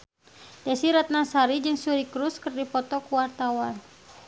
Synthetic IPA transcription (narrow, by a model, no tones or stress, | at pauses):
dɛsiɾat̪̚nasaɾid͡ʒɨŋsuɾikɾuskɨrdipɔt̪ɔkuwart̪awan